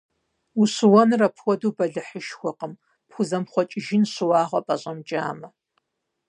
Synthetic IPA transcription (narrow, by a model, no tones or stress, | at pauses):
uɕɨwɐnrɐpʰwɔduːbɐɮɨħəʃxʷɔqəm | pxʷʊzɐmχʷɔt͡ʃʼɪʒɪnɕɨwɑːʁʷɐpʼɐɕʼɐmd͡ʒʼa̰ːmɐ